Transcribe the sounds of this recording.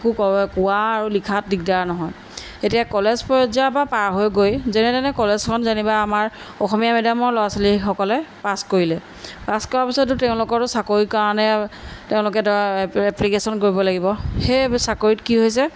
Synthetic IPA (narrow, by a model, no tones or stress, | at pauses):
kukɔkʊwaːɹulikʰat̚dik̚daɹnɔɦɔj | etijakɔlezpɔzabapaɹɦojɡojzenɛdanɛkɔlezkʰɔnzanibaamaɹ | ɔxɔmijamɛdamɔɹlɔasɔlixɔkɔlɛpaskoɹilɛ | paskɔɹaɹpisɔtʊtɛʊ̃lʊkɔtʊsakoɹikaɹanɛteʊ̃lʊk̬ɛdɔaɹɛplikesɔnkoɹibɔlaɡibɔxesakoɹitkiɦojsɛ